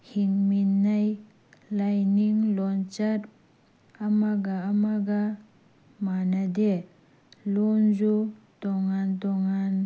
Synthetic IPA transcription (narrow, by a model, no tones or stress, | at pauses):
hiŋminːaj | lajniŋlɔnt͡ʃaɾ | amaɡaːmaɡa | manad̪e | lɔnzu | tɔŋant̪ɔŋan